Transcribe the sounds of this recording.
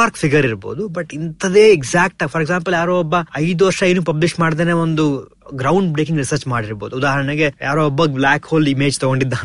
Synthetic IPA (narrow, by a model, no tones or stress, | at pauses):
aːɾkfiɡɐɾiɾbo̞̰ːd̪ubɐʈint̪ɐd̪eːeɡsaːk̚ʈaɡpʰɐɾɛɡsaːmpɐljaːɾoɔbːɐɐjd̪uʋɐɾʂɐinupɐbliʃʈmaːɽid̪eːneːond̪u | ɡɾɐwɳɖbɾekĩŋɡɾisɐɾt͡ʃmaːɽiɾboːd̪uːd̪aːɦɐɾɐɳɐɡe̞jaːɾoːbːɐblaːkhoːlimeːd͡ʒt̪ɔɡoɳɖid̪ːaː